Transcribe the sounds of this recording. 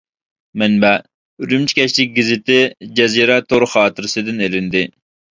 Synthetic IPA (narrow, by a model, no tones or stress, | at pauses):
mɛnbɛ | yɾymt͡ʃʰi̥kʲɛt͡ʃlɪk̚ʲɡʲɪzɪt̪ɪd͡ʒɛziɾɛt̪ʰːoɾʊχɑːt̪ɨɾɨsɨd̪ɪnelɪnd̪ɪ